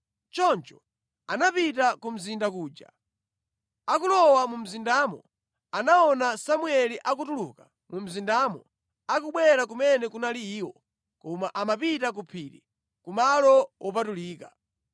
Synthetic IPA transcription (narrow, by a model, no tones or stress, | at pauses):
t͡ʃɔnt͡ʃɔ̥ | anapitakum̩zindakuːd͡ʒa̰ | akulɔwamum̩zindamɔ̰ | anaɔnasamwɛliʔakutuluka | mum̩zindamɔ | ak̬uɓwɛɾakumɛnɛkunaliːwɔ | kɔmaʔamapitak̬upʰiɾḭ | kumalɔwʔɔp̬atuliːka